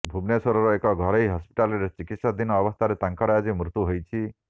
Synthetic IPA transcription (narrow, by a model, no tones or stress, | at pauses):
bʱubnesɔɾɔɾɔekɔɡʱɔɾeɦiɦɔspi̥ʈaleɾet͡ʃikit̪sad̪inɔːbɔst̪ʰaɾet̪aŋkɔɾad͡zimɾut̪uɦojt͡ʃʰi